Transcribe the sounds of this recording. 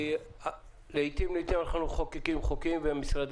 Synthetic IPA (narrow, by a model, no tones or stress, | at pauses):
leit̪imleit̪imalχanuχokikimχokimveamisʁad̪